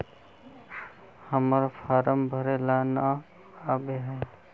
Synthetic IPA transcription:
həməɾpʰaːɾəmbʱəɾelana | aːbeɦɛː

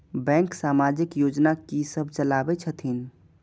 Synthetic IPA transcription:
bɛ̃ːŋksaːmad͡ʒɪkjoːd͡ʒnakisəbʱt͡ʃəlaːbɛt͡ʃʰət̪ʰin

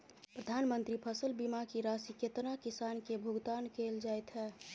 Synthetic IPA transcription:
pɾəd̪ʱaːnmənt̪ɾipʰəsəlbimakiɾasiket̪nakisaːnkebʱʊɡt̪aːnkeld͡ʒaːjt̪ɦɛː

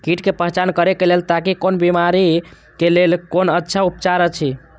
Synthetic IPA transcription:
kiʈkepəɦt͡ʃankəɾekelelt̪akikonbimaɾi | kelelkonətːʃʰaup̚t͡ʃaɾət͡ʃʰi

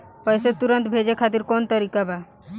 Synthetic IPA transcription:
pɔjset̪uɾənt̪bʱed͡ʒekʰat̪̬iɾkont̪əɾikaba

